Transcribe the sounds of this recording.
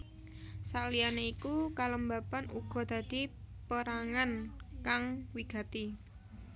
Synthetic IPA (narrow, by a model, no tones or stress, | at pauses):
salianeikukaləmbapanṵɡ̥ɔ̤d̪̥ä̤d̪̥i̤pəɾaŋankaŋwiɡ̥a̤t̪i